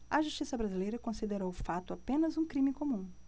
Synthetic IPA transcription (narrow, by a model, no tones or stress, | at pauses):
ɐʒuʃt͡ʃisɐbɾazilejɾɐkõsid̪eɾowʊfat̪ʊapẽnɐzũkɾĩmɪkomũ